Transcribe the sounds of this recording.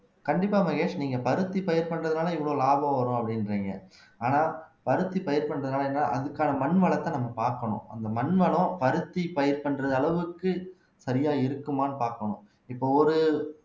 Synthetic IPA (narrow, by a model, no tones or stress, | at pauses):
kɐɳɖɪpːaːmɐɣeːʂniːŋɡɐpɐɾɯt̪ːipɐjɐɾpɐɳːɾɐðɯnaːlɐɪʋɪɭoːlaːbɐ̃ʋɐɾʊ̃ɐpːɐɽɪnɾeːŋɡɐ̰ | aːnaːpɐɾɯt̪ːipɐjɐɾpɐɳːɾɐðɯnaːlɐeːnːaːʔɐ̰ðɯkːaːnɐmɐɳʋɐɭɐt̪ːãːnɐmːɐpaːɾkɐɳʊ̰̃ʔɐ̰nd̪ɐmɐɳʋɐɭɐ̃pɐɾɯt̪ːipɐjɐɾpɐɳɾɐðɯɐɭɐʋɯkːɯ | sɐɾɪjaːɪɾɯkːɯmaːnɯpaːɾkɐɳʊ̃ | ɪpːoːɔɾɯ